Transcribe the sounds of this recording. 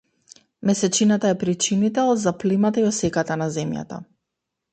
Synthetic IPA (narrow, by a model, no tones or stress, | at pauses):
mɛsɛt͡ʃinat̪aɛpɾit͡ʃinit̪ɛɔd̪zaplimat̪aiɔsɛkat̪anazɛmja̰t̪a̰